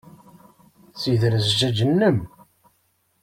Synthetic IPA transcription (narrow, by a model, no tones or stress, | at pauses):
t͡sːiðɾəzd͡ʒæd͡ʒənːəm